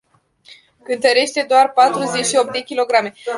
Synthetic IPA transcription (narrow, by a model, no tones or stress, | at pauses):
kɨnt̪əɾe̞ʃt̪e̞d̪oarpat̪ɾuze̞t͡ʃʃio̞p̚d̪e̞kʲilo̞ɡɾame̞